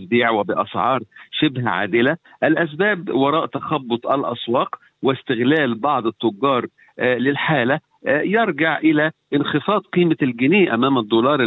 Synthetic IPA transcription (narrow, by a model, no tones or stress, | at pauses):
b̪iːʕwɪbɪʔɑsʕɑːɾˤʃɪbɦæʕa̰ːd̪ɪlæ | ʔælʔæs̬bæːbwɑɾˤɑːʔt̪æxɑbːʊt̪ˤʔælʔɑ̰swɑːq | wɪst̪ɪɣlæːlbɑʕd̪ˤɪt̪ˤːʊɡːɑːɾˤ | lɪlħaːlæ | jɑɾˤɡaʕʔɪlæʔɪnxefɑːd̪̚ˤqiːmalɡɪniːʔæmæːmæd̪ˤːoːlɑːɾˤ